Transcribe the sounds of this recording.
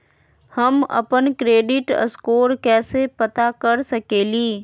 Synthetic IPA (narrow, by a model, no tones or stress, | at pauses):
həmɐ̰pənkɾeːɖɪʈə̰skoːɾkɛːsepət̪akəɾsəkeːliː